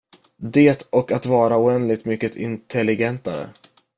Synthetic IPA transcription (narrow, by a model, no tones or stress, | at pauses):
d̪eːt̪ɔkat̪vɑːɾaʊɛnd̪lɪɡ̚t̪mʏkːət̪ʰɪ̰nt̪ʰɛlɪɡɛnt̪aɾə̰